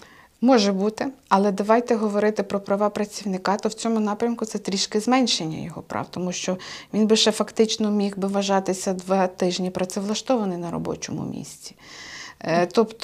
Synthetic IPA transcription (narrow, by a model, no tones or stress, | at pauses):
mɔʒɛbut̪ɪɐlˠɛd̪ɐʋɑjt̪ɛɦɔʋɔɾɪt̪ɪpɾɔpɾɐʋɑpɾɐt͡sʲiwnɪkɑt̪ɔwt͡sʲɔmʊnɑpɾʲɐmkʊt̪sɛt̪ɾʲiʃkɪzmɛnʲʃenʲːɐ̰jɔɦɔ̰pɾʔɑ̰wt̪ɔmuʃt͡ʃɔʋʲinbɪʃɛfɐkt̪ɪt͡ʃnɔmʲixbɪʋɐʒɑt̪ɪsʲɐd̪ʋɑt̪ɪʒnʲipɾɐt̪sɛʋlˠɐʃt̪ɔʋɐnɪjnɐɾɔ̰bɔ̰t͡ʃɔ̰mʊ̰mʲḭsʲtʲi̥ | t̪ɔpt̪